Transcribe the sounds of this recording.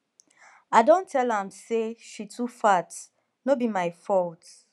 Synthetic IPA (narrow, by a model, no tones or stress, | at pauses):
aɪdõntʰɛlãmseʃitʰufat | nobimaɪfɔlt